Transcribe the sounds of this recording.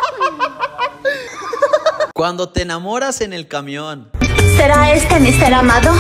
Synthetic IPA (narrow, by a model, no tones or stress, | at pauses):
kwand̪o̞t̪eenamo̞ɾasene̞lkamjonseɾaest̪emiseɾamaðo